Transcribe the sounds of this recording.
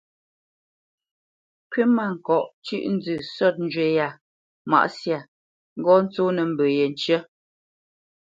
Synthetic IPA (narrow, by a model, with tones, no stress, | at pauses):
kɥi˦ma˦˨ŋ̩˨kɔ˨ʔt͡ʃʉ̰˦ʔn̩˦d͡zʉ˦˨sɔ˦˨t̚n̩˦d͡ʒwe˨˦ja˨ | ma̰˨ʔsja˨ | ŋ̩˦ɡɔ˦n̩˦t͡so˦nə˨m̩˨bə˨jɛ˨n˨t͡ʃə˦